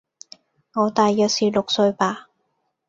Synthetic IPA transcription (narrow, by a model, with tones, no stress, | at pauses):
ŋɔː˨˧t̪aː˨jːœː˨˩k̚siː˨˩lʊ˨k̚sɵ˧ɥpaː˧